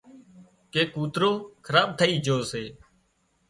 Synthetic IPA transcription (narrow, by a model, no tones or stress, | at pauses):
keːkuːt̪ɾoːkʰəɾaːɓ̚t̪ʰəiːd͡ʒʱoːseː